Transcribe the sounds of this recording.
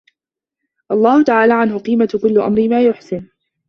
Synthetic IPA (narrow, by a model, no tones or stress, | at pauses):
ʔɑlˤːɑːhʊt̪aʕaːlaːʕanhʊqiːmat̪kʊlːʊʔa̰mɾɪmaːjʊħsɪn